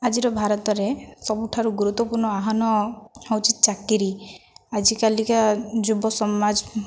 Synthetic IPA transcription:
ad͡ʒiɾɔbʱaɾɔt̪ɔɾesɔbuʈʰaɾuɡuɾut̪wɔpuɾɳɔaɦɔnɔawt͡ʃit̪t͡ʃakːiɾiad͡ʒikalikad͡ʒubɔsɔmad͡ʒ

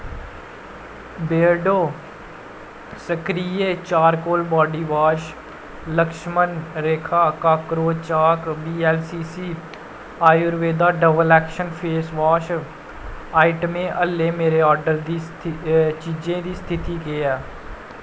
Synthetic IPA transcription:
beːɖoː | səkɾiːeːt͡ʃaːɾkoːlbɔːɖiːʋaːʃ | ləkʃmənɾeːkʰaːkaːkɾoːt͡ʃaːkbiːɛːlsiːsiː | aːjʊɾʋeːd̪aːɖəʋəlɛːkʃənpʰeːsʋaːʃ | aːɪʈəmẽʔəlːẽːmeːɾeɔːɾɖəɾd̪i | t͡ʃiːd͡ʒẽd̪iːst̪ʰɪt̪ikeːɛː

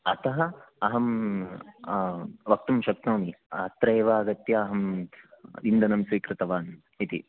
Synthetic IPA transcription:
ɐt̪ɐɦɐɐɦɐm | ʋɐk̚t̪umʃɐk̚t̪oːniɐt̪ɾɐːʋaːɡɐt̪jɐːɦɐm | ind̪ʱɐnɐmsiːkɾɪt̪ɐʋaːn | it̪ḭ

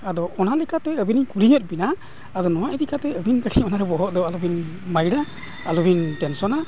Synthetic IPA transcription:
ad̪ɔʔɔnalɛkat̪ɛəbinikuɾiɲət̪̚ˀbina | ad̪ɔnɔwaʔd̪ikat̪ɛəbinkəʈʰiɔnaɾɛbɔɦɔʔd̪ɔalubʱinmajɽa | alubʱinʈɛnsɔna

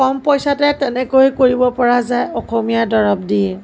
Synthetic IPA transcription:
kɔmpojsatɛtɛnɛkojkoɹibɔpɔɹazajɔxomijadɔɹɔb̚diɛ

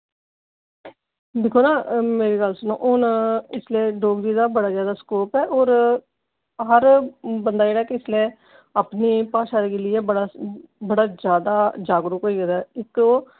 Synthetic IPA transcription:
d̪ɪkʰːoːnãːmeːɾeːɡəlsənõ̰ːʔʊnɪsleːɖoːɡɾiːd̪aːbəɽaːzjaːd̪aːskoːpɛːʔoːɾ | ɦəɾbənd̪aːeːɽaːkeɪsleː | aːpniːpaːʃaːɾeːɡelɪeːbəɽaːbəɽaːd͡ʒjaːd̪aːd͡ʒaːɡɾəkɦoːiːɡɛd̪aːɪko

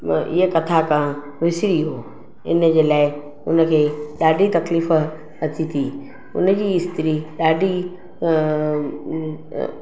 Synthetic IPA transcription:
ɪ̰ɦəkɐt̪ʰakãː | ʋɪsɪɾiɦoː | ɪ̰nəd͡ʑeːlaːɪ | ʊnə̆kʰeːɗaːɖʱit̪ɐkliːf | ɐt̪ʰit̪ʰiː | ʊ̰nəd͡ʑiːɪst̪ɪɾiɗaːɖʱi

